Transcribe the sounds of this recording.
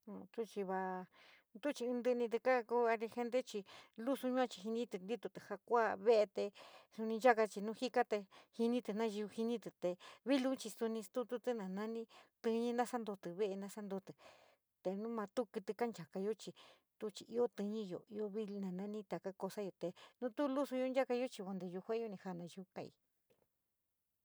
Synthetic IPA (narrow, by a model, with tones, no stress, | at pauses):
t̪u˦t͡ʃi˧βa˧ | t̪u˦t͡ʃi˧ɨ̃˧nd̪ɨ˧nĩ˧t̪ɨ˧ka˦ku˧˦a˧ɾi˧xe˧nd̪e˦t͡ʃi˧lu˦su˧ɲũ˦ã˧t͡ʃi̥˧ɦi˧nĩ˦t̪ɨ˧nd̪i˦t̪u˧t̪ɨ˨ha˧kʷa˦βe˦ʔe˧t̪e˧su˧nĩ˧nd͡ʒa˦ka˧t͡ʃi˧nũ˦hi˦ka˦t̪e˧hi˧nĩ˦t̪ɨ˨nã˦ʒu˧hi˧nĩ˦t̪ɨ˨t̪e˧βi˦lu˦t͡ʃi˧su˧nĩ˧st̪u˦t̪u˦t̪ɨ˦nã˨nã˦nĩ˦t̪ɨ˧ɲĩ˦nã˦sa˦nd̪o˧t̪ɨ˨βe˦ʔe˧nã˧sa˦nd̪o˧t̪ɨ˨ | t̪e˧nũ˦mã˧t̪u˦kɨ˧t̪ɨ˧ka˦nd͡ʒa˨ka˧jo˦t͡ʃi˧ | t̪u˦˧t͡ʃi˧ʔi˧˦o˦t̪ɨ˧ɲĩ˦jo̰˨i˧o˧βi˦˧nã˨nã˦nĩ˦t̪a˨ka˦ko˧sa˦jo˧t̪e˨nũ˦t̪u˦˧lu˦su˧jo˧˦nd͡ʒa˦ka˧jo˦t͡ʃi˧βo˧nd̪e˨˧ju˧kʷã˦o˦˧nĩ˧ha˧nã˨˧ʒu˧kã˧ḭ˧˨